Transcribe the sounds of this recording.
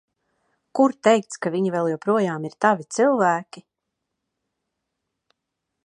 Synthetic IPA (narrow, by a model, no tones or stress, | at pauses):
kuɾt̪ɛjk̚t̪skaviɲivɛlˠjɔwpɾuɔjaːmiɾt̪avit̪silˠvæːkʲi